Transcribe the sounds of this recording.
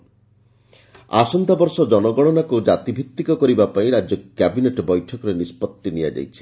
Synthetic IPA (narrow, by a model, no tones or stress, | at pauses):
a̰sɔnd̪abɔɾsɔd͡ʒɔnɔɡɔɽ̃ɔnakud͡ʒat̪ibʱit̪ːikɔkɔɾibapaĩɾad͡ʒɔkɛbineʈbɔjʈʰɔkɔɾenispɔt̪ːinija̰d͡ʒa̰jt͡ʃʰi̥